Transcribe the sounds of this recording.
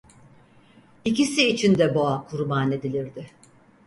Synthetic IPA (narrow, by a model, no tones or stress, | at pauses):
icisiːt͡ʃʰind̪ɛboakʰuɾbane̞d̪ilʲiɾd̪ɪ